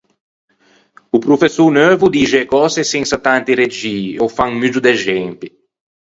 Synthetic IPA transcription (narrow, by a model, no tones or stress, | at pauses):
upɾufesunøːvud̪iːʒeːkɔːseseŋsat̪ant̪iɾed͡ʒiːowfaŋmyd͡ʒud̪eʒɛmpi